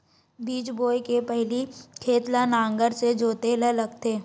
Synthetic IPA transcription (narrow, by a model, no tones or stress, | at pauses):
biːt͡ʃboːjkepɛɦlikʰeːt̪lanãːŋɡəɾsed͡ʒoːt̪elələɡt̪ʰeː